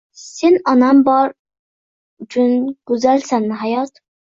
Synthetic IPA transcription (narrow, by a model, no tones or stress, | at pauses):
senɑnɑmbɑɾ | t͡ʃʰynɡ̥uzælsænːɦæjɑt̪